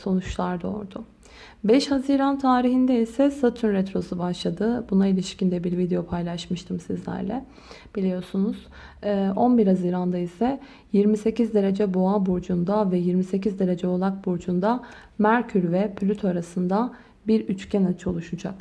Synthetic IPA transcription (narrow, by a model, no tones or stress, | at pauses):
so̞nut͡ʃlˠaɾd̪o̰ːɾd̪ʊ | bɛʃhaziːɾant̪ʰaːɾiɦind̪ɛisɛsat̪ʰynɾɛt̪ɾo̞subaʃlˠad̪ɯbunailʲiʃcind̪ɛbiɾvid̪ejo̞pʰajlˠaʃmɯʃt̪ʰɯmsizlʲæ̰ɾlʲɛ̰ | b̥ilʲijo̞ɾsunuz̥ | ʔo̞nbiɾhaziːɾand̪aisɛ | jiɾmise̞cizd̪e̞ɾe̞d͡ʒɛboabuɾd͡ʒund̪avɛjiɾmise̞c̬izd̪e̞ɾe̞d͡ʒɛolˠak̚buɾd͡ʒund̪a | mæɾcʰyɾvɛpʰlʲyt̪ʰoaɾasɯnd̪a | biɾyt͡ʃcʰɛnat͡ʃʰɯo̞lˠuʃud͡ʒa̰k